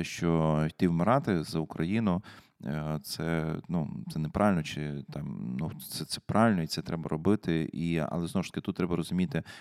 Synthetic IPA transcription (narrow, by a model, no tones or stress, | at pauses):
ɛʃt͡ʃɔt̪ʲiʋmɪɾɑt̪ɪzɐʊkɾʔɐjinʊ | t̪sɛnṵt̪sɛnɛpɾʔɑʋɪlʲnɔt͡ʃɪt̪ɑmnusɛt̪sɛ̥pɾɑʋʲɪlʲnɔit̪sɛt̪ɾɛbɐɾɔbɪt̪ɪiɐ̰lˠɛzɔwʊʃt̪ɐ̥kɪt̪ut̪ːɾɛbɐɾɔzʊmʲit̪ɪ